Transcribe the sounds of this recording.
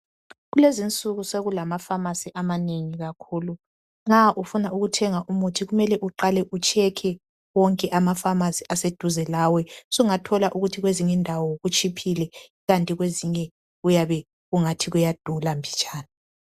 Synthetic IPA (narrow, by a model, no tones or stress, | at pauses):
ɣulezint͡sʼuɣuseɣulamafamasiʔamaneŋiɣakʰuːlu | ŋ͡ǁaʔufunauɣutʰɛŋaʔumutʰiɣumɛlɛʔuǃalɛʔut͡ʃʰʼɛkʰɛ | wɔŋkʼɛʔamafamasiʔased̥ʱuzɛlawɛsuŋatʰɔlaʔuɣutʰiɣweziŋindʱawɔɣut͡ʃʼipʰilɛ | ɣantʼiɣweziɲɛ | ɣujaβɛ | ɣuŋatʰiɣujad̥ʱulambʱit͡ʃʼaːna